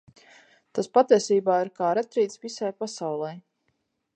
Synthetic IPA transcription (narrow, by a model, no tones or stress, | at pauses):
t̪aspat̪iɛsiːbaːiɾkaːɾɛt̪ɾiːt̪svisajpasawlˠɛj